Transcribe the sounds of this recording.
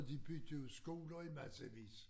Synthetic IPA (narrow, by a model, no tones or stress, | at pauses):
d̥ib̥yd̥oð̩ˠsɡ̥o̝ːlɐimæsəʋḭːs